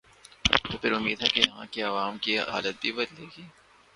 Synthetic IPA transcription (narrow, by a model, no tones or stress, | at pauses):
t̪oːpʰɪɾʊmːiːd̪ɦɛkejɐɦã̰kiɐʋaːmkiɦa̰ːlət̪̚bʱibɐd̪leːɡiː